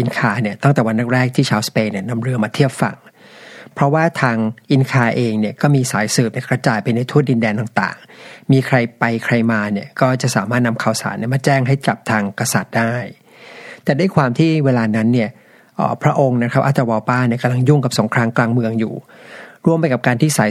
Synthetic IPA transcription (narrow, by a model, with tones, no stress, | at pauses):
ʔi˧nkʰaː˧ni˥˩ɐt̪a˥˩ŋt̪ɛː˨˩wa˧nːa˦˥k̚ɾɛː˥˩k̚t̪ʰiː˥˩t͡ɕʰaː˧wspeː˧nːi˥˩ɐna˧mɾɯ˧əmaː˧t̪ʰiː˥˩əp̚fa̰˨˩ŋ | pʰɾɔ˦˥waː˥˩t̪ʰaː˧ŋʔi˧nkʰaː˧ʔeː˧ŋni˥˩ɐkɔː˥˩miː˧saː˩˦jsɤː˨˩p̚n˧˩kɾa˧t͡ɕaː˨˩jpa˧jna˧jt̪ʰu˥˩ət̪̚i˧ndɛː˧nt̪aː˨˩ŋt̪a̰ː˨˩ŋmiː˧kʰɾa˧jpa˧jkʰɾa˧jmaː˧ni˥˩ɐkɔː˥˩t͡ɕa˨˩ʔsaː˩˦maː˥˩t̪̚na˧mkʰaː˨˩wsa̰ː˩˦nʔi˥˩maː˧t͡ɕɛː˥˩ŋɦa˥˩jka˨˩p̚t̪ʰaː˧ŋka˧sa˨˩t̪̚daː˥˩j | t̪ɛː˨˩da˥˩˨jkʰwaː˧mt̪ʰiː˥˩weː˧laː˧na˦˥nːi˥˩ɐ | ʔːpʰɾa˦˥ʔo˧ŋna˦˥kʰɾa˦˥p̚ʔaː˥˩t̪ːɾa˧wɔː˧paː˥˩ni˥˩ka˧mla˧ŋju˥˩ŋka˨˩p̚so˩˦ŋkʰɾaː˧ŋklaː˧ŋmɯ˧əŋjṵː˨˩ɾu˥˩əmpa˧jka˨˩p̚kaː˧nt̪ʰiː˥˩saː˩˦j